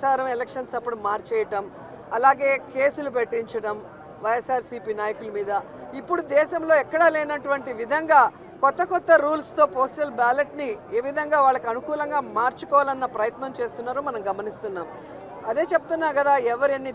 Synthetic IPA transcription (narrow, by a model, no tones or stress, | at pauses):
aːɾɐmɛlekʂɐnsɐpːuɽumaːɾt͡ʃɛːjɐʈɐm | ɐlaːɡe̞ːke̞ːsulup̬eʈːiɲt͡ʃɐɽɐm | ʋɐjesaːɾsiːpiːnaːjɐkulɐmiːd̪ɐ | ipːuɽud̪ɛːʃɐmlo̞ːɛkːɐɽɐleːnɐʈuʋɐɳʈiʋid̪ʱɐŋɡaː | kɔt̪ːɐkɔt̪ːɐɾuːlst̪o̞ːpoːsʈɐlbaːleʈnie̞ːʋid̪ʱɐŋɡaːʋaːɭːɐkiɐnukuːlɐŋɡaːmaːɾt͡ʃu̥kɔːʋaːlɐnːɐpɾɐjɐt̪nɐmt͡ʃe̞ːst̪unːaːɾoːmɐnɐmɡɐmɐnist̪unːaːm | ɐd̪e̞ːt͡ʃe̞but̪unːaːkɐd̪aːɛʋɐɾenːi